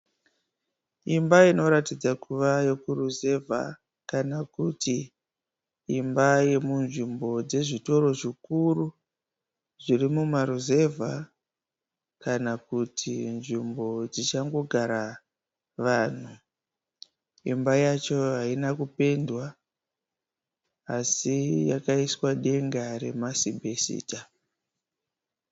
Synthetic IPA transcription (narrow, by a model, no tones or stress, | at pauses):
imbaino̞ɾatid͡zakuʋajo̞kuruze̞vʱa̰ | kanakuti | mbaje̞munʐimbo̞d͡ze̞ʐito̞ɾo̞ʐikuru | ʐirimumaɾuze̞vʱa | kanakutʰinʐimbo̞d͡zit͡ʃaŋɡo̞ɡʱaɾa | ʋaːn̤u | ḭmbajat͡ʃo̞ɦainakupe̞ndwa | sija̰kaiswaɗe̞ŋɡare̞̰masibʱesḭːta